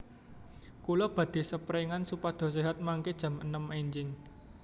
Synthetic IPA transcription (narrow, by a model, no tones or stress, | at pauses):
kulɔb̥ä̤d̪̥i̤səpɾeŋansupad̪̥ɔ̤s̬eɦat̪̚maŋked̥ʒ̥a̤mə̰nəmeɲd͡ʒɪŋ